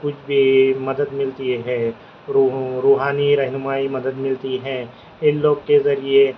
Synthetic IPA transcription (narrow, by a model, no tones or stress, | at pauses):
kʊt͡ʃʰbʱimɐd̪əd̪mɪlt̪iɦɛ̃ː | ɾuɾuːɦaːniɾɛɦnʊmaːimɐd̪əd̪mɪlt̪iɦɛ̃ː | ɪnloːɡkezɐɾie